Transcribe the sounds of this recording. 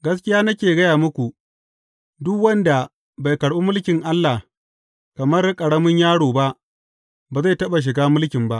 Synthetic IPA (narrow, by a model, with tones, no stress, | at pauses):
ɡɐ˦s̬kʲɪ˦jaː˦nɐ˦kʲeː˨ɡɐ˦jaː˨mʊ˦kʷu˨ | dʊ˦kwɐ˦nda˨ | ba˨jkɐ˨ɽʔu˦mʊ˦lkʲɪ˨ŋʔa˦lːa˨h | kɐ˨mɐ˦rkʼɐ˨ɽɐ˦mʊ˦ɲjaː˦ɽoː˨ba˦ʔ | baː˨za˦˨tɐ˦ɓa˨ʃ̬ɪ˨ɡaː˦mʊ˦lkʲɪ˨mba˦ʔ